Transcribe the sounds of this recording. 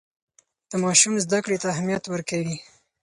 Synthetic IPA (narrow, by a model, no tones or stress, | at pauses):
d̪̥əmɑʃumzd̪akɽet̪aːhmijat̪wəɾkawi